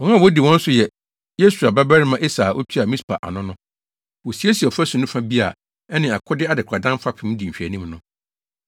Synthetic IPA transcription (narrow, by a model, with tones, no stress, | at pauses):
ɔ̃˨ŋã˦˨wɔ˦di˨wɔ̃˦n̩˦sʊ˨jɛ˨ | je˦su˨a˨ba˦bæ˦ɾɪ˦mã˦ʔe˦saː˨ʔo̰˦tʰi˦a˨mĩ˦spʰa˨ʔa̰˨nʊ̃˦nʊ̃˦ | wo˨si˨˦e˦si˨ɔ˨fæ˦sũ˨nʊ̃˦fã˦bi˦a̰˨ | ɛ˦nɪ̃˨a˨kʰʊ˦dɪ˦a˦dɪ˨kʰa˨dã˦m˦fa˦pʰɪ̃˦m̃˦di˨m̩˨ɕᶣæ˨nĩ˦mnʊ̃˦